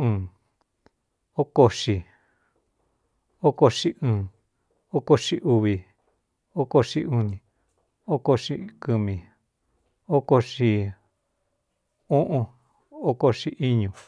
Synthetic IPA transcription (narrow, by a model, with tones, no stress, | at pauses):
ɨ̃ː˨ | o˦ko˧ʂi˧ | o˦ko˧ʂi˧ɨ̃ː˨ | o˦ko˧ʂi˧ʔu˧βi˨ | o˦ko˧ʂi˧u˧nĩ˨ | o˦ko˧ʂi˧kɨ˧mĩ˨ | o˦ko˧ʂi˧ | ũ˦ʔũ˧ | o˦ko˧ʂi˧ʔi˦ɲũ˨